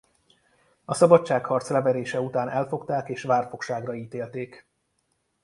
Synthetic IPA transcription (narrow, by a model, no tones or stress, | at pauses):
ɒsɒbɒtʃaːkhɒrt̪slɛvɛɾeːʃɛut̪aːnʔɛlfo̞kt̪aːkeːʃʋaːrfo̞kʃaːɡrɒiːt̪eːlt̪eːk